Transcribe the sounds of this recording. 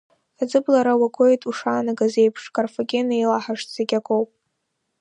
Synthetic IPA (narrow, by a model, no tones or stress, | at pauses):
ad͡zɨblaɾawaɡʷʰʼo̞jtʼuʂaːnaɡaze̞jpʰʂkʼarfoɡʲe̞nejlaħaʂtz̥eɡʲakʼowpʼ